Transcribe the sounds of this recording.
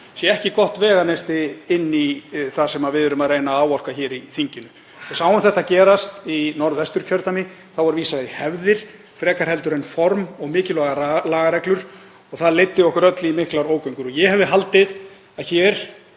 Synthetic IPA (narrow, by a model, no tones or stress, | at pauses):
sjɛɛhcɪkɔht̪vɛːɣanest̪ɪɪnːiθasɛmaðvɪðʏɾʏmaðreːjnaaːwɔr̥kaçɛːɾiθiɲcɪnʏ | ɔsaːwanθɛht̪acɛːɾast̪inɔɾðɛst̪ʏɾ̥cʰœɾt̪amɪ | θawvaɾviːsaɪhɛvðɪɾ̥ | fɾɛːkaɾ̥hɛlt̪ʏɾɛnfɔɾmɔɣmɪːcɪlɔɣaɾalaːɣaɾɛklʏɾ̥ | ɔɣθaðlejt̪ːɪɔhkʏɾœt̪lɪimɪhklaɾoːwkœjŋkʏɾɔjɛhɛvðɪɦalt̪ɪð | aðçɛːɾ̥